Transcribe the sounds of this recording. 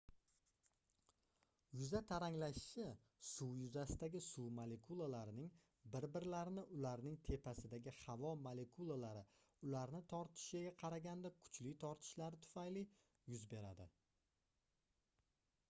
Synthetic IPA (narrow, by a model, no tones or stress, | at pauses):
jʊzat̪ʰaɾaŋlaʃɪ̥ʃɪ | suwjʊzasɪd̪aɡʲɪsuwmale̞kʰulˠalaɾɪnɪŋ | bɪɾbɪɾlaɾɪnɪʔʊlaɾnɪŋt̪ʰe̞pʰasɪd̪aɡʲɪhɑvɒmale̞kʰulˠalaɾɪ | ʊlaɾnɪt̪ʰɒɾt̪ʰɪ̥ʃɪɡʲaqʰɑɾaɡʲand̪akʰʊ̥t͡ʃlɪt̪ʰɒɾt̪ʰɪ̥ʃlaɾɪt̪ʰʊ̥fajlɪ | jʊzbe̞ɾa̰d̪ɪ